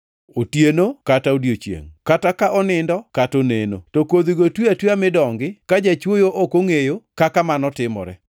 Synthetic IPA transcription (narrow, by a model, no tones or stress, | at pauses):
otjenokataodjot͡ʃjḛŋkatakaʔɔnɪndɔkatoneno̰tɔkod̪iɡotweatwiamɪdɔŋɡɪkad͡ʒat͡ʃwojoʔokoŋejokakamanɔtɪmɔ̰ɾɛ